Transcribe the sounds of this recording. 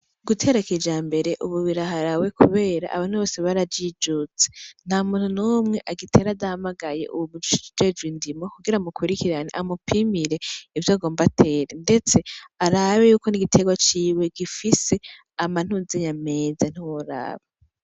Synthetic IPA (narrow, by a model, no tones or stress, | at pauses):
ɡ̥utʰe̞ɾeked͡ʒaːmbe̞ɾe̞ʔuβuβiɾaɦaɾawe̞kʰuβe̞ːɾa̰ʔa̰βaːn̥huβo̞ːseβaɾaid͡ʒut͡se̥n̥haːmuːn̥hunumŋe̞ʔaɡitʰe̞ɾadahamaɡaje̞̰ʔṵβuβuui̥id͡ʒe̞d͡ʒɡwindimokuɡiɾamukʰuɾikiɾaneʔamupʰimiɾe̞ivjaːɡo̞ːmbatʰe̞ːɾende̞t͡se̞aɾawejuːko̞niɡitʰe̞ɡwat͡ʃiːwe̞ɡifise̞ | aman̥huzeɲame̞ːzan̥uwoɾa̰ːβa